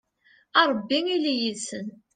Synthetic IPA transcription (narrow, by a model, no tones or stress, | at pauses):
ɑɾˤəbːiŋilijisən